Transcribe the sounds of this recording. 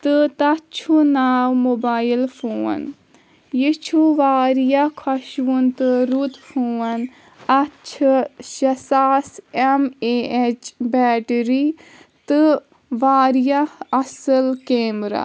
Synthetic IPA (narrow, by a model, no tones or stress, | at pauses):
t̪ɨt̪ɐt͡ʃʰunaːwmoːbaːjilfʰoːɐ̰n | jit͡ʃʰuʋaːɾijakʰɐʃunt̪ɨɾut̪fʰoːɐn | ɐt͡ʃʰʃɐsaːsemeet͡ʃbɛːʈɾit̪ɨ | ʋaːɾjaɐsɨlkeːmɾa̰